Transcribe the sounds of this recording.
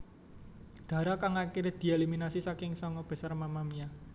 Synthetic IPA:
d̪̥ä̤ɾɔkaŋakiɾed̪̥i̤eliminasisakɪŋsɔŋɔb̥ɛ̤sarmamamia

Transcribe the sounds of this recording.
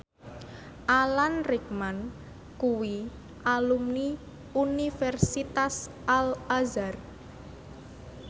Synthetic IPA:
ʔalanrik̚man | kuwi | ʔalumni | unifɛrsit̪as | alazar

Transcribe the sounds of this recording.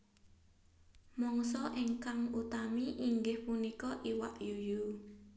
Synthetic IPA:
mɔŋsɔʔiŋkaŋut̪amiʔiŋɡɪhpunikɔʔiwa̰ʔjuju

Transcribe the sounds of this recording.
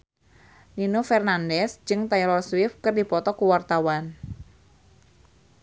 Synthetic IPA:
ninofɛrnandɛsd͡ʒɨŋt̪ajlɔrswɪfkɨrdipɔt̪ɔkuwart̪awan

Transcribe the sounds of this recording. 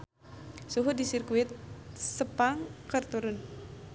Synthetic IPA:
suɦudisirkuɪt̪̚səpaŋkərt̪uɾʊn

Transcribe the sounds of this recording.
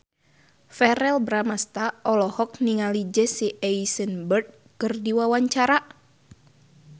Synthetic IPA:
fɛɾɛlbɾamast̪aʔɔlɔhɔk̚niŋalid͡ʒɛsiʔɛisənbərd̪̚ | kɨrdiwawaɲt͡ʃaɾa

